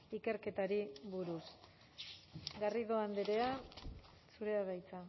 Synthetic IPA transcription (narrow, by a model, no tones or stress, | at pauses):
ike̞ɾke̞t̪aɾiβuɾus | ɡariðoand̪eɾe̞a | suɾe̞aβajt͡sa